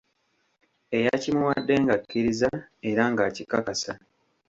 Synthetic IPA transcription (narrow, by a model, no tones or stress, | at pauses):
e̞jacimuwadːe̞ŋɡakːiɾizae̞ɾaŋɡacikakasa